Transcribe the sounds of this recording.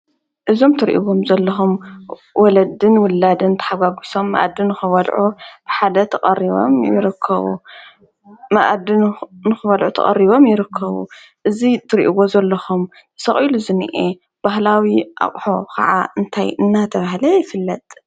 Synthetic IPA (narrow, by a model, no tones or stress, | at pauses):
ʔɨzo̞mt̪ʰɨɾḭʔḭwo̞mzɐlːɐxum | wʔɔlɐd̪ɨnwʊlːad̪ɨnt̪ʰɐ̥ħaɡʷaɡʷiso̞mːɐ̰ʔa̰d̪ɨnːɨxɨβɐlʕub̥ɨħad̪ɐt̪ʰɐχʼɐriβo̰mjɪ̰ɾɨkʰːɐ̰βṵ | maʔd̪ɨnnɨxɨβɐlʕut̪ʰɐ̰χʼɐ̰rːiβo̞mjɪɾɨkʰːɐβṵ | ʔɨzit̪ʰɨɾiʔiwo̞zɐlːɐxum | t̪ɨ̥sɐχʼiluzɨnɨʔe | b̥aɦlawiʔa̰χʼħo̞kʰɐ̰ʕa̰ɨnt̪ʰajɨnːat̪ʰɐβahlɐjɪfɨlːɐt̪ʼ